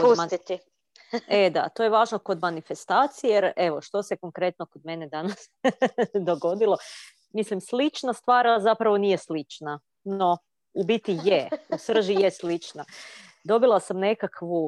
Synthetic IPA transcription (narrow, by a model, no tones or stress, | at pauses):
kousmait̪i | ed̪a̰t̪o̞jeʋaːʒno̞ko̞d̪manife̞st̪aːt̪sijejeɾe̞ʋo̞ʃt̪o̞se̞ko̞ŋkɾe̞t̪no̞ko̞d̪me̞ne̞d̪anas | d̪o̞ɡo̞d̪ilˠo̞ | mislimslˠit͡ʃnast̪ʋaːɾazapɾaʋo̞niːje̞slit͡ʃna | no̞ | ubit̪ijeusr̩ʒijeslit͡ʃna | d̪o̞bilˠasamne̞kakʰʋu